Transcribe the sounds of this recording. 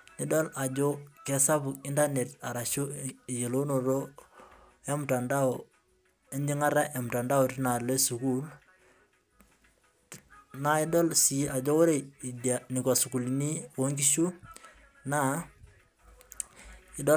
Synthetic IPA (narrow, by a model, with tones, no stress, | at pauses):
ni˨˦dɔ˦la˨d͡ʒo˦kɛ˨sa˦bʊ˨ki˦nda˦ne˨ta˨ɾa˨ʃu˦i˨je˨lo˦no˨ɾo˦ | ɛ˦mta˨nda˦o˨ | e˦nd͡ʒi˦ŋa˦ɾa˦ʔɛ˨m˨ta˨nda˦o˨ti˦na˨le˦su˨ku˦l | na˨ɪ˦dɔ˦lsi˨˦ʔa˨d͡ʒo˦o˦ɾe˨i˨da˨nɪ˨kɔ˨su˨ku˨li˨ni˦o˨˦ŋɡi˦ʃu˦ | na˦ | ɪ˦dɔ˦